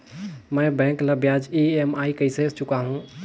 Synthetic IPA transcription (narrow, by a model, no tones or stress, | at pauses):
mɛ̃bɛ̃kləbjad͡ʒiemaikəiset͡ʃukaɦũ